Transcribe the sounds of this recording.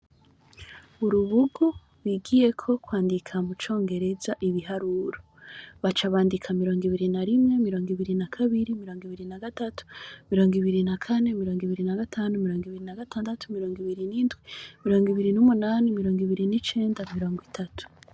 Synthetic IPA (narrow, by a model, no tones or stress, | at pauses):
βuɾuβuɡu | wiɡije̞kʰo̞kwaːndikʰamut͡ʃo̞ːŋɡe̞ɾe̞zaʔiβiɦaɾuɾo | βat͡ʃaβaːndikʰamiɾo̞ːŋɡiβiɾinaɾimŋe̞miɾo̞ːŋɡiβiɾinakʰaβiɾimiɾoːŋɡiβiɾinaɡatatʰu̥miɾo̞ːŋɡiβiɾinakʰane̞miɾo̞ːŋɡiβiɾinaɡatʰaːnumiɾoːŋɡiβiɾinaɡataːndatʰu̥miɾoːŋɡiβiɾiniːndɡwimiɾo̞ːŋɡiβiɾinumunaːnimiɾo̞ːŋɡiβiɾinit͡ʃe̞ːndamiɾo̞ːŋɡwitʰatʰu̥